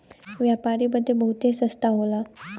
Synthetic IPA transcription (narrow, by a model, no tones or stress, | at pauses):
ʋjapaɾiməd̪ʱːebəɦut̪esəst̪aɦola